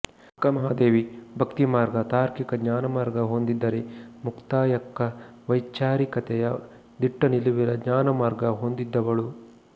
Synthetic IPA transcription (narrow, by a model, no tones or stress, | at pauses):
kɐmɐɦaːd̪eːʋibʱɐkt̪imaːɾɡɐt̪aːɾkikɐdɲaːnɐmaːɾɡɐɦond̪id̪ːɐɾemukt̪aːjɐkːɐʋɐjt͡ʃaːɾikɐt̪ɛjɐ | d̪iʈːɐniluʋiɾɐd̪ɲaːnɐmaːɾɡɐɦond̪id̪ːɐʋɐɭu